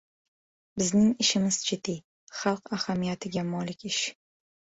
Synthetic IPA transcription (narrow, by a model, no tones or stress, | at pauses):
bɪznɪŋɪʃɪmɪz̥d͡ʒɪd̪i | χɑlˠqahamijat̪ʰɪɡʲamɒlɪkʲɪʃ